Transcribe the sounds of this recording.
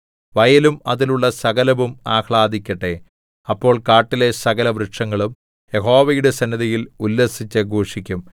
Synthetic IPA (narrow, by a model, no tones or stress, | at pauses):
ʋɐjɐlumɐ̰ðiluɭːɐsɐɣɐlɐʋumaːxɭaːd̪ikʲːɐʈːe | ɐpːo̞ːɭkaːʈːile̞sɐɣɐlɐʋɾɨʈʂɐŋːɐɭum | jeɦo̞ːʋɐjuɽe̞sɐnːɐðɐjilulːɐsit͡ɕːeɡʱoːʂikʲːum